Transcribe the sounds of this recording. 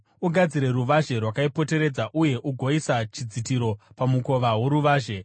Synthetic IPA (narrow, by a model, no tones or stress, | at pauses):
uɡʱad͡ziɾe̞ɾuʋaʒe̞rwakaipo̞te̞ɾe̞d͡zaʔuje̞ʔuɡʱo̞isat͡ʃid͡zitiɾo̞pamuko̞ʋaɦoɾuʋaːʒe̞